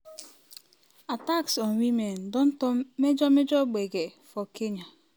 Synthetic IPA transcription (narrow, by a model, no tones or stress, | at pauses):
ataksɔnwimen̩dʊn̩tʊmmed͡ʒɔmed͡ʒɔɡ͡beɡefɔkeɲa